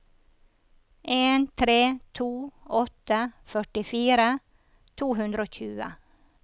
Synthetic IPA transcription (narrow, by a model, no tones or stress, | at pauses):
ʔeːnt̪ʰɾeːt̪ʰuːɔt̪əfœʈɪfiːɾə | t̪ʰuːɦʉnd̪ɾəoːçʉːə̰